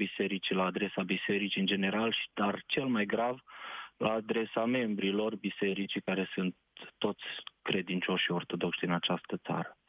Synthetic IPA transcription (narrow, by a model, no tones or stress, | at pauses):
bise̞ɾit͡ʃilaːd̪ɾe̞sabise̞ɾit͡ʃiɨnd͡ʒe̞ne̞ɾalʃi̥d̪̥art͡ʃe̞lmajɡɾavlaːd̪ɾe̞same̞mbɾilo̞rbise̞ɾit͡ʃikaɾe̞sunt̪ːo̞t̪sʲkɾe̞d̪int͡ʃo̞ʃio̞rt̪o̞d̪o̞kʃd̪inat͡ʃast̪ət̪sa̰ɾə